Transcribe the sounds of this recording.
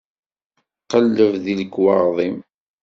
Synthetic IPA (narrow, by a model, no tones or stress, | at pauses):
qəlːəvðiləkːwɑɾˤðˤim